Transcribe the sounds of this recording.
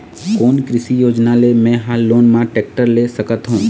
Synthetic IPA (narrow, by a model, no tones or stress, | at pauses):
koːnkɾɪsijoːd͡ʒnalemɛ̃ɦaːlːoːnmãʈeːk̚ʈəɾlesəkət̪ɦũː